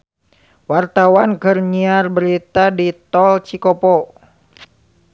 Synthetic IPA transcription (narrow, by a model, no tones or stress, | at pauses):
wart̪awankərɲiarbəɾit̪adit̪ɔlt͡ʃikɔpɔ